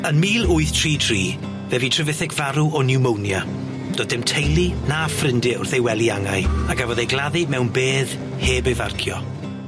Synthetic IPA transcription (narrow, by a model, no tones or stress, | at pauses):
ənmiːlˠʊɨθtʰr̥iːtʰr̥iː | vɛvitʰrɨvɪθɪkv̥aɾuɔnɪwmownja | d̥ɔːdɪmtʰejlˠinafrɪndɪʊrθejwɛlˠiaŋaɨaɡavɔðejɡlˠaðimɛwnbeːð | heːbejvarkʰjɔ